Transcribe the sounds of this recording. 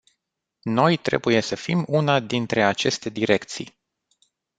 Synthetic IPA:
no̞jt̪ɾe̞̰buje̞səfimunad̪int̪ɾe̞at͡ʃe̞st̪e̞d̪iɾe̞kt̪sḭj

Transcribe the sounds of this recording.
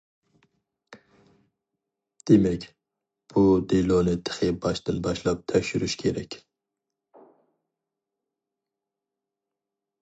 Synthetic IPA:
d̪̥emɛkʲ | b̥ud̪ilonɨt̪ʰɨ̥χibɑʃt̪ɨnbɑʃlˠɑp̚t̪ʰɛʃyɾyʃkʰʲeɾɛkʲ

